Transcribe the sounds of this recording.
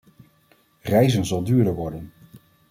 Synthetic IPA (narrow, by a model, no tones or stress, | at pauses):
rɛjzənzɑlˠdyːɹdəʋɔɹdən